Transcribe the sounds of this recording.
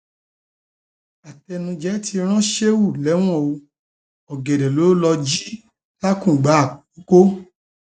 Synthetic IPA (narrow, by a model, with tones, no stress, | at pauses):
a˨tɛ˧nũ˧d͡ʒɛ˨˦ti˧ɾ̃ã˦ʃe˦wu˦˨lɛ˨˦w̃ɔ̃˦˨o˧ | ɔ˨ɡe˨dɛ˨lo˨˦lɔ˧d͡ʒi˦ | la˦kũ˦˨ɡ͡ba˨˦˨o˦ko˦